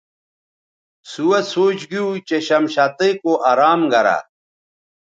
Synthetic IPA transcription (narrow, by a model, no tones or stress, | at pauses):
suwɐsoːt͡ɕɡiut͡ɕeɕɐmɕat̪ekoʔaɾaːmɡɐɾa̰